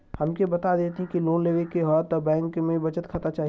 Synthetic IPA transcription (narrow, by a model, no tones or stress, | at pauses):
hɐmkebɐt̪ad̪eːt̪eɦɛ̃kiloːnleʋɪ̃keɦɔːt̪ɔbɛ̃ːŋkmẽbɐt͡ʃət̪kʰɐt̪at͡ʃaːɦ